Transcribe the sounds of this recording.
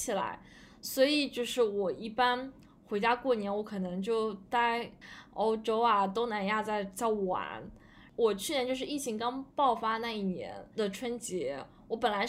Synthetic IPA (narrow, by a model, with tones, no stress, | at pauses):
t͡ɕʰi˨˩la̰˧˥ɪ | swɔ˧˥i˨˩t͡ɕjo˥˧ʊʂɻ̩˥˩wɔ˨˩i˥˩pa˥n | xwe˧˥ɪt͡ɕja˥kwɔ˥˩njɛ˧˥nwɔ˧˥kʰɤ˨˩nɤ˧˥ŋt͡ɕjo˥˧ʊt̪a˥˩ɪo˥ʊʈ͡ʂo˥ʊa˩t̪o˥ŋna˧˥nja˥˧t͡sa˥˧ɪt͡sɑ˥˩ʊwa̰˧˥˦n | wɔ˨˩t͡ɕʰy˥˩njɛ˧˥t͡ɕjʂɻ̩˥˧i˥˩t͡ɕʰi˧˥ŋkɑ˥ŋpɑ˥˩ʊfa˥na˥˧i˥˩njɛ̰˧˥nd̪ə˨ʈ͡ʂʰwə˥nt͡ɕjɛ˧˥ | wɔ˧˥pə˨˩nla˧˥ɪ